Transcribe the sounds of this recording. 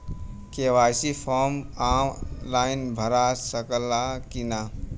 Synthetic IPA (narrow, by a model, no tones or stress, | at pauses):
keʋaːjsipʰɔɾmamlaːɪnbʱəɾasəkəlakina